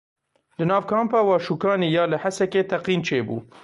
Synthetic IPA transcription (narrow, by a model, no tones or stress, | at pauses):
lɨnɑːvkʰɑːmpɑːwɑːʃuːkɑːniːjɑːlɨhasɛkeːt̪ʰɐqiːnt͡ʃʰeːbṵː